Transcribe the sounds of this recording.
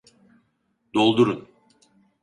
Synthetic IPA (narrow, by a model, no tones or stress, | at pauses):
d̪olˠd̪uɾun